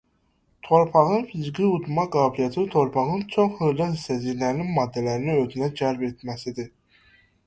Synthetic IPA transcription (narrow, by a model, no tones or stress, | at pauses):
t̪ʰoɾpʰɑʁɯnfizɡʲiud̪mɑɡɑːbilijɛt̪ʰt̪ʰoɾpʰɑʁɯnt͡ʃʰoχhɯɣlæisæziɾlæɾninmɑd̪ːælæɾniøzynæd͡ʒæɾbet̪mæsid̪i